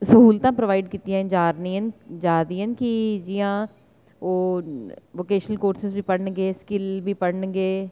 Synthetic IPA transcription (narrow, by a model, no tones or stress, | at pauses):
səɦuːlt̪ãːpɾəʋaːɪɖkiːt̪ijãːnd͡ʒaːɾnĩːənd͡ʒaːd̪iːənkid͡ʒɪjãː | oː | ʋoːkeːʃənəlkoːɾsɪzbiːpəɽɳɡeːskɪlbʱiːpəɽɳɡeː